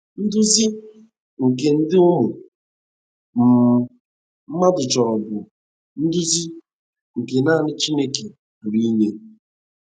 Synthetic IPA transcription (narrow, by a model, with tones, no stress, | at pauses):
n̩˦dʊ˦zi˦ | ŋ̩˨ke˨n̩˦dɪ˦ʊ˦mʊ˨ | m̩˨ | m̩˦ma˦dʊ˨t͡ʃɔ˨ɔ˨bʊ˨ | n̩˦dʊ˦zi˦ | ŋ̩˨ke˨na˦˨nɪ˦t͡ʃi˦ne˦ke˨ | ɾi˦ɲe˦